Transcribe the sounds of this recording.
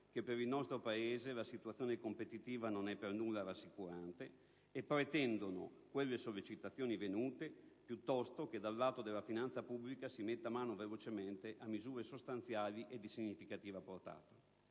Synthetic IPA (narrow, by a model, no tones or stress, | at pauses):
kepːeɾilnɔst̪ɾopaeːzelasit̪uat̪sːjoːnekompet̪it̪iːvanonɛpːernulːaɾasːikuɾant̪eː | pɾet̪ɛnd̪ono̰kwelːesolːit͡ʃit̪at̪sːjoːnivenuːt̪epjut̪ːɔst̪ok̟ed̪alːaːt̪od̪elːafinant̪sapubːlikasimet̪ːamaːnovelot͡ʃement̪eʔamːizuːɾesost̪ant̪sjaːliʔed̪isiɲːifikat̪iːvaport̪a̰ːt̪ḁ